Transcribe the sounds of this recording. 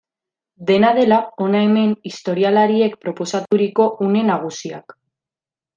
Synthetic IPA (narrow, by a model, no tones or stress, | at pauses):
d̪e̞naðe̞lao̞nae̞me̞nist̪o̞ɾialaɾie̞kpɾo̞po̞sat̪uɾiko̞ʔune̞naɣ̞usia̰k